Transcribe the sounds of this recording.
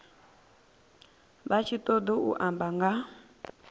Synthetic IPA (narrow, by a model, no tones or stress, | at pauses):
βat͡ʃʰit̪ʼɔd̪ɔṵʔambaŋɡa